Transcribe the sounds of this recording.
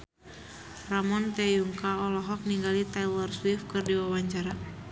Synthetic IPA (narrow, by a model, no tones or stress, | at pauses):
ramɔnt̪ɛjuŋkaɔlɔɦɔk̚niŋɡalit̪alɔrswifkɨrdiwawaɲt͡ʃaɾa